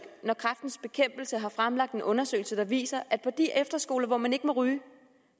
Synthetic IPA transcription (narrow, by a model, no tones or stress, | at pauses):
nɒkʰʁafd̥n̩sb̥e̝kʰem̰b̥l̩səɦɑ̈fʁamlɑ̈ɡ̥̚d̥enʔɔ̽nɐsø̰ːɪl̩səd̥ɑ̈ʋḭːsɐʔæd̥̚pʰɒ̽d̥iʔefd̥ɐsɡ̥o̝ːlɐʋɒmæne̝ɡ̥əmɒ̽ʁyː